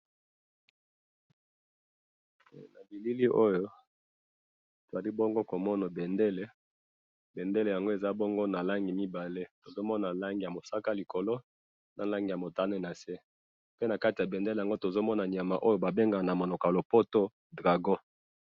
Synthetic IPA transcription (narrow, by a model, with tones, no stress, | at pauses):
na˨bi˨li˦li˦ʔo˦jo˦ | to˨za˨li˦bo˦ŋɡo˦ko˨mɔ˦na˨be˨nde˦le˦ | be˨nde˦le˨ja˨ŋɡo˦e˨za˨˦bo˦ŋɡo˦na˨la˦ŋɡi˨mi˦ba˨le˦to˨zo˦mɔ˦na˨la˦ŋɡi˨ja˨mo˨sa˦ka˦li˨ko˨lo˦ | na˨la˦ŋɡi˨ja˨mo˨ta˦ne˦˨na˨se˦ | pe˦na˨ka˦ti˨ja˨be˨nde˦le˨ja˨ŋɡo˦to˨zo˦mɔ˦na˨ni˨a˨ma˨ʔo˦jo˦ba˨be˦ŋɡa˨na˨mo˨no˨ka˨lo˨po˦to˦ | dʁa˨ɡo˦